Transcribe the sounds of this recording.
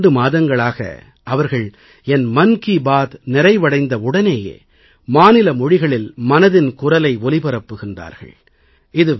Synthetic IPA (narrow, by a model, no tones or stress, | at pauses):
ɖɯmaːðɐŋɡɐɭaːɣɐ̰ | ʔɐʋɐɾɣɐɭ | ɛnmɐnkibaːt̪nɪɾɐɪʋɐɽɐɪnd̪ɐʊɽɐneːjḛː | maːnɪlɐmɔɻɪɣɐɭɪlmɐnɐðɪnkʊrɐlɐɪʋɔlɪpɪɾɐpːɯɣɪndra̰ːɾɣɐ̰ɭ | ɪðɯ